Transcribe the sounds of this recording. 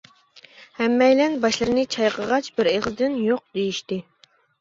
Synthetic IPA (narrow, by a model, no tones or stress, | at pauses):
hɛmːɛjlɛnbɑʃlˠɨɾɨnɨt͡ʃʰɑjqʰəʁɑt͡ʃbɪɾeʁzɨd̪ɪnjoq̚d̪̥ejiʃt̪ɪ